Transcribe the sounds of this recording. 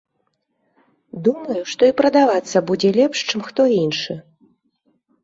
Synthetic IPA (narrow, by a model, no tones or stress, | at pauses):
d̪umɐjuʂt̪ɔipɾɐd̪avat̪sːɐbud͡zʲɛlʲɛpʂt͡ʂɨmxt̪ɔinʂɨ